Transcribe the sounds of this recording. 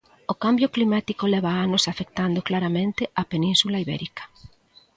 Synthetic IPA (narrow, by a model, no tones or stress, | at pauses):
okambjoklimat̪ikolɛβaanosafek̚t̪and̪oklaɾamẽnt̪ɪapenĩnsulaiβɛ̰ɾikḁ